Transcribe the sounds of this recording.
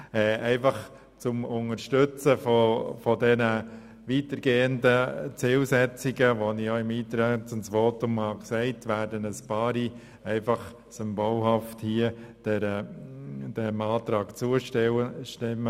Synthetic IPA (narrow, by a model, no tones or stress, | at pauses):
ɛːɛɪfɑχ | t͡sʊmʊŋəɾʃtʏt͡səfɔfɔdɛnə | ʋiːtəɾɡ̥eːəndət͡sɪlsɛt͡siɡəʋonɪoɪmiːt̪ɾɛt͡sʊnsʋoːtʊmhɑksɛɪtʋæːɾdənəspɑːɾi | ɛɪfɑχ | sʏmbolhɑfthiəd̥ɛɾə | d̥ɛmɑːt̪ɾɑːkt͡suəəʃtɪmːə